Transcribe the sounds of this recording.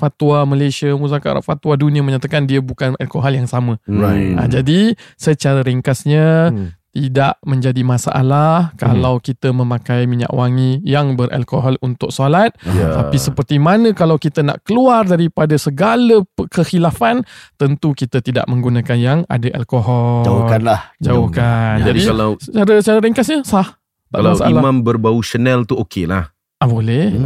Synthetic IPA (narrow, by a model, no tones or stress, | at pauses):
fat̪uwaməlajsiamusaka̰ɾa̰ʔfat̪wadunĩəməɲat̪akandiəbukanalkoɦɔljaŋsamə̃a̰d͡ʒadisət͡ʃaɾaɾiŋkasɲat̪idaʔmə̃ɲd͡ʒadimãsa̰ʔa̰lahka̰lawkit̪əmə̃mãkajmiɲa̰ʔwaŋijaŋbərʔa̰lkoɦɔlunt̪ʊk̚solat̪̚t̪apisəpərt̪imanə̃kalawkit̪əna̰ʔkəluardaɾipadasəɡaləkəxilafant̪ənt̪ukit̪ət̪ida̰ʔməŋɡunakanjaŋa̰daʔa̰lkoɦɔd͡ʒakanlahd͡ʒaʊhkand͡ʒadialasət͡ʃaɾəsət͡ʃaɾəɾiŋkasɲəsah̪ | aalmasaʔalamambərbauʃənɛlt̪uokela̰h | ʔabolɛ